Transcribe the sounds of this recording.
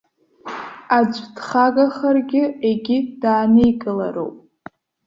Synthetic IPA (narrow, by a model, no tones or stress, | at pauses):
ad͡ʒʷʼdχaɡaχərɡʲɪeɡʲɪd̥aːnejɡʼɨla̰ɾo̰wpʼ